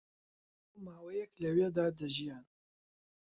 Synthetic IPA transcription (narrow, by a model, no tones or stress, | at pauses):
owmaːwɛjɛklɐweːd̪aːd̪ɐʒijaːn